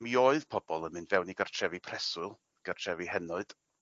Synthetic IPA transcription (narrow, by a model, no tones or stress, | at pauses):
mioɨðpʰɔb̥ɔlˠənmɨndvɛwniɡartʰrɛvipʰrɛsʊlˠ | ɡ̥ər̥tʰrɛvihɛnɔɨd̥